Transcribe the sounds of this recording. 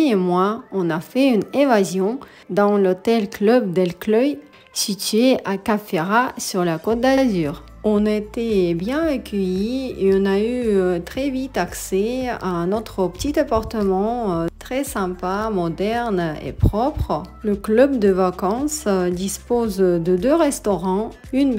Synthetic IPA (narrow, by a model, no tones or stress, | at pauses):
emwaɔ̃nafɛynevazjɔ̃ | d̪ɑ̃lɔt̪ɛlklœbd̪ɛlklœj | sit̪ɥeʔakafeʁasyʁlakot̪̚d̪azyːʁ | ɔ̃net̪ebjɛ̃əkʲʰəjieɔ̃nayt̪χɛvit̪aksɛa̰ɛ̃nɔt̪χəpə̥t̪it̪apaʁt̪əmɑ̃t̪χɛsɛ̃pamɔd̪ɛʁnḛpχɔpχləklœb̚d̪əvakɑ̃sd̪ispozd̪əd̪øʁɛst̪ɔʁɑ̃ | yn